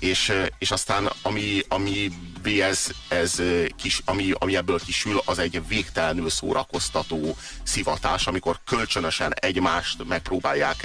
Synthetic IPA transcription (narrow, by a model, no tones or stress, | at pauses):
eːʃeːʃɒst̪aːnɒmiɒmi | veːɛzɛzkiʃɒmiɒ̰miɛbːøːlkiʃylɒzɛɟveːkt̪ɛlnøːso̰ːɾʔɒko̞st̪ɒt̪oː | sivɒt̪a̰ːʃɒmiko̞rkølt͡ʃønøʃɛnɛɟmaːʃt̪mɛk̚proːbaːjːaːk